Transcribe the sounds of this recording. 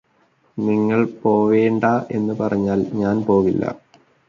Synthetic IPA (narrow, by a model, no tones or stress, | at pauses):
niŋːɐɭpo̞ːʋeːɳɖɐʔe̞̰nːɨpɐrɐɲːaːlɲaːnpo̞ːʋilːɐ̰